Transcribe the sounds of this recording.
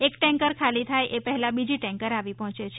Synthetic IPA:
ekʈɛ̃ŋkəɾkʰalit̪ʰajʔepəɦɛlãbid͡ʒiʈɛ̃ŋkəɾaʋipɔɦɔ̃t͡ʃet͡ʃʰ

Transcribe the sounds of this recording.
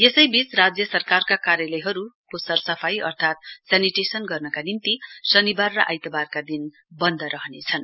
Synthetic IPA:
jesʌjbit͡srad͡zjʌsʌrkarkakaɾjʌlʌjɦʌɾukosʌrsʌpʰajʌ̰rt̪ʰat̪̚saniʈesʌnɡʌrnʌkanimt̪isʌnibarːʌʔa̰jt̪ʌbarkad̪in | bʌnd̪ʌɾʌɦʌnet͡sʰʌn

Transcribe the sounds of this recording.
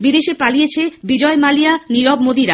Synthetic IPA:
bid̪eʃepalijet͡ɕʰebid͡ʑɔemalijaniɾɔbmod̪iɾa

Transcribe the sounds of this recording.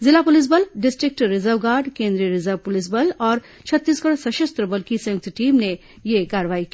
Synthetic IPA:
zɪlapʊlɪs̬bəlɖɪsʈɾɪk̚ʈɾɪzəɾʋɡaːɾɖkẽːnd̪ɾiəɾɪzəɾʋpʊlɪs̬bəlɔːɾ | t͡ʃʰɐt̪ːiːskəɽosɐʃɐst̪ɾəbɐlkisɐ̃jʊk̚t̪ʰʈiːmne | jekaːɾəʋaːiki

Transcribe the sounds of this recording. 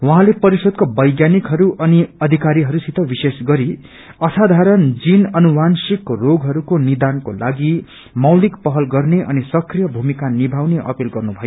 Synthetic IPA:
wʌɦãlepʌɾisʌd̪̚kobʌjɡjanikɦʌɾuʔʌniʌd̪ʱikaɾiɦʌɾusit̪ʌbisesɡʌɾi | ʌsad̪ʱaɾʌnd͡zinʌnuwansikroɡɦʌɾukonid̪ankolaɡi | mʌwlikpʌɦʌlɡʌrneʔʌ̰nisʌkrijʌbʱumikanibʱawneʔʌ̰pilɡʌrnubʱʌjo

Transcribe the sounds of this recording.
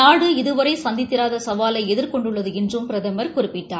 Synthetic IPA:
aːɽɯɪðɯʋɐɾɐɪsɐnd̪ɪt̪ːɪɾaːðɐsɐʋaːlɐɪɛðɪɾkɔɳɖɯɭːɐðɯɛndrɯmpɪɾɐðɐmɐɾkʊrɪpːɪʈːaː

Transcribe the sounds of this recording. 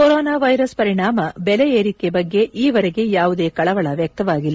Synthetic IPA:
koɾɔːnaːʋɐjɾɐspɐɾiɳaːmɐbɛleeːɾikebɐɡːe̞ʔiːʋɐɾeɡe̞jaːʋud̪e̞ːkɐɭɐʋɐɭɐʋjɐk̚t̪ɐʋaːɡilː

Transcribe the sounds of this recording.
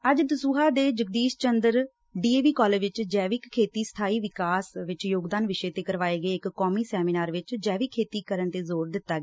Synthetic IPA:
əd͡ʒd̪əsuːɦaːd̪eːd͡ʒəɡ̚d̪iːst͡ʃənd̪əɾ | ɖiːeːʋiːkɔːləʋɪt͡ʃd͡ʒɛːʋɪkkʰːeːt̪iːst̪ʰaːiːʋɪkaːsʋɪt͡ʃjoːɡd̪aːnʋɪʃeːt̪eːkəɾʋaːeːɡəeːɪkkːɔːmiːsɛːmiːnaːɾʋɪt͡ʃd͡ʒɛːʋɪkʰːeːt̪iːkəɾənt̪eːzoːɾd̪ɪt̪ːaːɡː

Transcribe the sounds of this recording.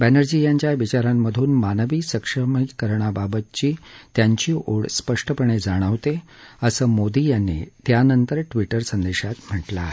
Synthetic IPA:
bænəɾd͡ʑijaɲt͡ɕjaʋit͡ɕaɾamːəd̪ʱuːnmanəʋiːsəkʂəmikəɾɳ̃ababət̪̚t͡ɕiːt̪jaɲt͡ɕiːʔoɭspəʂʈəpəɳ̃ed͡zaɽ̃əʋt̪e | əsəːmod̪iːjanːḭːt̪janənt̪əɾʈʋiʈəɾsənd̪eɕat̪m̤əʈla

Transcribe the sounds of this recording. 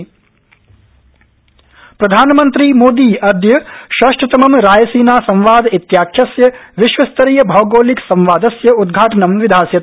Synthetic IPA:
pɾɐd̪ʱaːnɐmɐnt̪ɾimoːd̪iːɐd̪jɐʃaːʃʈɾɐt̪ɐmɐmɾaːjɐsiːnaːsɐ̃mʋaːd̪it̪jaːkʰjɐsjɐʋiʃʋɐst̪ɐɾijɐbʱɐːɡoːliksɐ̃mʋaːd̪ɐsjɐud̪ɡʱaːʈɐnɐmʋid̪ʱaːsjɐt̪

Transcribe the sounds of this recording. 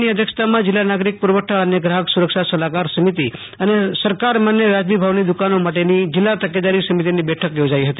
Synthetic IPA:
niəd̪ʱjəkʃt̪amãd͡ʒɪlːanaɡɾik̚puɾʋəʈʰːaəneɡɾaɦəksuɾəkʃasəlakaɾsəmit̪i | ənesəɾkaɾmanjəɾad͡ʒmibʱaʋnid̪ukanomaʈenid͡ʒɪlːat̪əked̪aɾisəmit̪̬inibɛʈʰəkjod͡ʒaiɦət̪i

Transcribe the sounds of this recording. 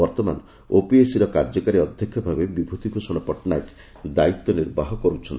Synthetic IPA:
bɔɾt̪ɔma̰n | opiesiɾɔkaɾd͡ʒɔkaɾiɔd̪ʱjɔkʰjɔbʱabebibʱut̪ikusɔɽ̃ɔpɔʈnajk | d̪ait̪ːɔniɾbaɦɔkɔɾut͡ʃʰɔnt̪i

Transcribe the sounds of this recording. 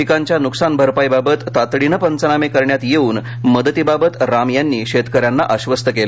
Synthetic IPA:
ikaɲt͡ɕjanuksanbʱəɾpajbabət̪ːat̪ɽinəpənt͡sənamekəɾɳjat̪jeuːn | məd̪ət̪ibabət̪ɾamjanːiːɕet̪kəɾjanːa̰ʔəɕʋəst̪əkel

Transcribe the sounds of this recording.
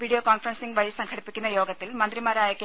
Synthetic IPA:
ʋiːɽijoːkoːnfrɐnsiŋɡʋɐɻisɐŋkʰɐɽipːikʲːunːɐjoːɡɐt̪ːilmɐnd̪rimaːɾaːjɐkː

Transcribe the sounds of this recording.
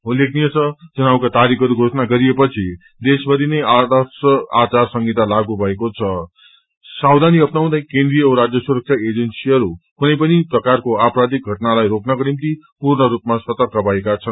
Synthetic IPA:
ɦulek̚ʰnijʌt͡sʰʌd͡zʌnawkat̪aɾikʰʌɾuɡʱosʌnaɡʌɾijepʌt͡sʰi | d̪esbʌɾinʌjad̪asʌat͡sarsʌŋɡit̪alaɡubʱʌekot͡sʰʌ | sawd̪ʱaniʌpnaw̃d̪ajkẽnd̪ɾijʌɾad͡zjʌsuɾʌk̚t͡sʰaed͡zensiʌɾukunʌjpʌniprʌkarkoapɾad̪ik̚ɡʱʌʈnalajɾoknʌkɾimt̪i | purnʌɾupmasʌt̪ʌrkʌbʱʌekat͡sʰʌn

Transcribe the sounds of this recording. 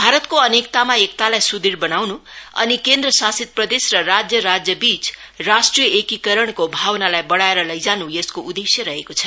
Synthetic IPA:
bʱaɾʌt̪koʌnekt̪amaek̚t̪alajsud̪irbʌnawnuʌ̰nikend̪rʌsasid̪̚prʌd̪esrʌrad͡zjʌɾad͡zjʌbit͡s | rasʈrijʌekikʌɾʌɽ̃kobʱawnalajbʌɽaeɾʌlʌjd͡zanujʌskoʔud̪esjʌɾʌɦekot͡sʰʌ̥

